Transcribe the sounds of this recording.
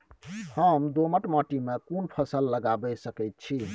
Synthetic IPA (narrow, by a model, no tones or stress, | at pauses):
həmd̪oməʈməʈimekunpʰəsəlːəɡabəsəkɛt̪̚t͡ʃʰi